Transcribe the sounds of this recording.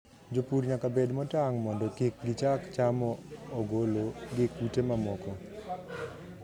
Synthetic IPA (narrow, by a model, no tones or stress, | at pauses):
d͡ʒopuɾɲakabedmɔtaŋmɔndɔkik̚ɡɪt͡ʃakt͡ʃamɔːɡoloɡɪkutemamɔkɔ